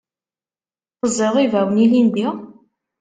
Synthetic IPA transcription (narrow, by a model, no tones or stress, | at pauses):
qəzɪʁivæwənilind̪i